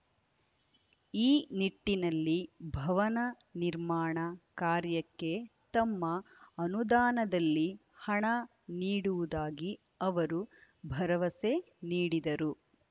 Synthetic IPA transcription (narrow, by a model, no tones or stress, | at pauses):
iːniʈːinɐlːibʱɐʋɐnɐniɾmaːɳɐkaːɾjɐkːe̞t̪ɐmːɐːnud̪aːnɐd̪ɐlːi | hɐɳɐ | niːɽuʋud̪aːɡi | ɐʋɐɾu | bʱɐɾɐʋɐse̞ | niːɽid̪ɐɾu